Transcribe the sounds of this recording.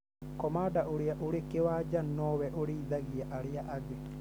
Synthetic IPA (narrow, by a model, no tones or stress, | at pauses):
kɔmaːdaʔoɾeaʔoɾekewad͡ʒanɔːβɛʔoɾiːðaɣiɛʔaɾeaʔaɣe